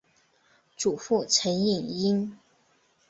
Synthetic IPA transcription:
ʈ͡ʂu˨˩fu˥˩t͡sʰə˧˥ni˥˨˩ŋi˥n

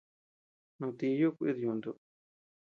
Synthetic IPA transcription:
nũ˧t̪i˧ju˦kʷḭ˦ðjũ˧˨nd̪u˧

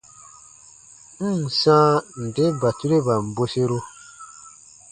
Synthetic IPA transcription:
sãː˦n̩˨de˦ba˨tu˦ɾe˦ba˨m̩˨bo˦se˦ɾo˦

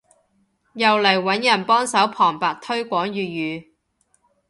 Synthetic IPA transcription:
jɐ˨wlɐ˨˩jwɐ˨˥njɐ˨˩npɔː˥ŋsɐ˨˥wpʰɔː˨˩ŋpaː˨k̚t̪ʰɵ˥ɥkʷɔː˨˥ŋjyː˨jyː˨˧

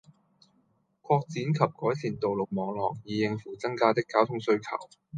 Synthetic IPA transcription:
kʷʰɔː˧k̚t͡siː˨˥nkʰɐ˨p̚kɔː˨˥jsʰiː˨˩nt̪o˨wlʊ˨k̚mɔː˨˧ŋlɔː˨˩k̚jiː˨˧jɪ˧ŋfuː˨˩t͡sɐ˥ŋkaː˥t̪ɪ˥kːaː˥wt̪ʰʊ˥ŋsɵ˧ɥkʰɐ̰˨˩w

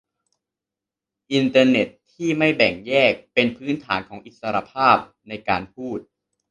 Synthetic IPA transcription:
ʔi˧nt̪ɤː˧ne˨˩t̪ʰːiː˥˩ma˥˩jbɛ˨˩ŋjɛː˥˩k̚pe˧npʰɯː˦˥nt̪ʰaː˩˦nkʰɔː˩˦ŋʔi˨˩t̪̚sa˧ɾa˧pʰaː˥˩p̚ | na˧jkaː˧npʰuː˥˩t̪̚

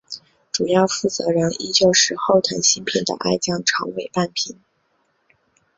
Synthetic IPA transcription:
ʈ͡ʂu˨˩jɑ˥˧ʊfu˥˩t͡sɤ̰˧˥ɻə˧˥ni˧˥t͡ɕjo˥˧ʊʂɻ̩˥˧xo˥˩ʊt̪ʰə˧˥nɕi˧˥ŋpʰi˨˩nd̪ə̰˩ʔa˥˧ɪt͡ɕjɑ˥˩ŋʈ͡ʂʰɑ̰˧˥ŋwe˨˩ɪpa˥˩npʰi˧˩˦n

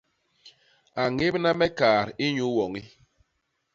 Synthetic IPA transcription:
a˨ŋe˦bna˦mɛ˦kaː˨ɾi˦ɲu˦wɔ˨ŋi˦

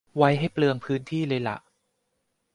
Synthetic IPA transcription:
wa˦˥jɦa˥˩jplɯ˧əŋpʰɯː˦˥nt̪ʰiː˥˩lɤː˧jla̰˨˩ʔ

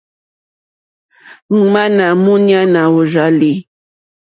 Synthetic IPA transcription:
ŋ̩˨ma˦na˨mʊ˦ɲa˦na˨u˨ʒa˦li˦

